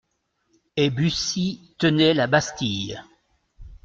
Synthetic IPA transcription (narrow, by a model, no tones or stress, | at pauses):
ebysit̪ənɛlabast̪ij